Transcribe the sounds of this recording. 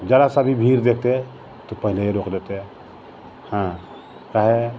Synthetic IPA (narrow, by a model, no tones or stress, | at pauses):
d͡ʒəɾasabʱibʱiɾd̪ekʰt̪e | t̪opəɦileeɾokd̪et̪e | hã | kaɦe